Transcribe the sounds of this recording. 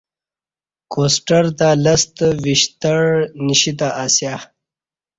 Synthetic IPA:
koːsʈəɾd̪aləst̪viɕt̪əɽniɕit̪aʔasjaː

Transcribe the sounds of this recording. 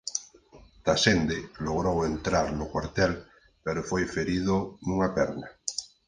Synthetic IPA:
t̪asend̪eloɣɾowent̪ɾaɾnʊkwaɾt̪ɛl | peɾofojfeɾiðʊnuŋapɛɾna

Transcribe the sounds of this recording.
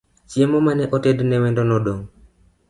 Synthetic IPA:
t͡ʃiemɔmanɛʔotednɛwɛndɔnɔɗoŋ

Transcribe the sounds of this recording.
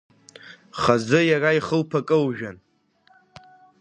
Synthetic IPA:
χazɨjaraiχəlpʰakʼɨwʒᶣan

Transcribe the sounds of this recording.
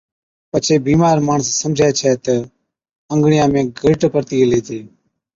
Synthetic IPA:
pət͡ʃʰeːbiːmaːɾmaːɳəsːəmd͡ʒʱɛːt͡ʃʰɛːt̪ə | əŋɡɳɪjãːmẽːɡʱɪːʈpəɾt̪iːəleːd͡ʒeː

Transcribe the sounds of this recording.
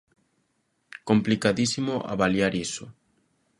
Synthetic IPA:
komplikaðisimʊʔa̰βaljaɾisʊ

